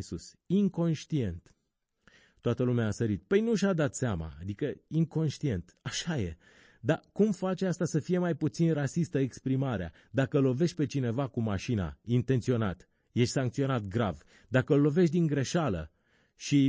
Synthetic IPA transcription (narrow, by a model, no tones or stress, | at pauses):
sus | iŋko̞nʃt̪ie̞nt̪ | t̪ːoat̪əlumeaːsəɾit̪̚pəjnuʃad̪at̪seama̰ːd̪ikəiŋko̞nʃt̪ie̞nt̪aʃaje̞̰ | d̪akumfat͡ʃeast̪asəfije̞majput̪sinrasist̪əekspɾimaɾea̰ | d̪akəlo̞ve̞ʃt̪ʲpe̞t͡ʃine̞vakumaʃina̰int̪e̞nt̪sio̞na̰t̪ | je̞ʃt̪ʲsaŋk̚t̪sio̞nat̪̚ɡɾa̰v | d̪akəlːo̞ve̞ʃt̬̪ʲd̪iŋɡɾe̞ʃalə̰ | ʃi